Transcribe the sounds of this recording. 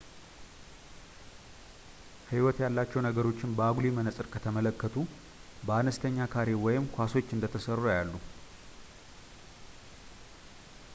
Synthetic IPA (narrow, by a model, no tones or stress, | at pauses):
hiwɔt̪jalːat͡ʃːɛwnəɡəɾo̞t͡ʃːɪnbəaɡulimənəsʼɨɾkʰət̪ʰəmələkːət̪ʰu | bəanəst̪ʰəɲːakʰaɾe̞wɔjɪmkʰʷaso̞t͡ʃːɨnd̪ət̪ʰəsərːojalːu